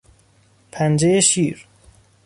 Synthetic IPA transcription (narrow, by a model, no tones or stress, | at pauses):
pʰænd͡ʒejeʃiːɾ